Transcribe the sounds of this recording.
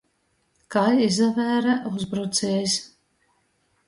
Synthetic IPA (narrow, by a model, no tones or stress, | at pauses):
kajizavʲæːɾaʔuzbɾut̪sɛːsʲ